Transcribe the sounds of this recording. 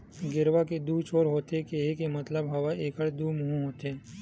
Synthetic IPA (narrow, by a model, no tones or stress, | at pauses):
ɡɪɾwaked̪uːt͡ʃʰoːɾɦoːt̪ekeɦekemɐt̪ləbɦɐwaʔeːkəɽd̪uːmʊɦũɦoːt̪eː